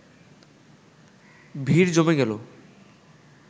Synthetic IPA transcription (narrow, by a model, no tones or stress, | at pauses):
bʱiɾd͡ʑomeɡɛlo